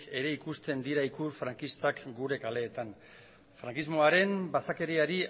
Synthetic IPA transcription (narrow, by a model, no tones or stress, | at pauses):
e̞ɾe̞ikust̪e̞nd̪iɾaikuɾfɾaŋkist̪akɡuɾe̞kale̞ːt̪an | fɾaŋkizmo̞aɾe̞mbasake̞ɾiaɾi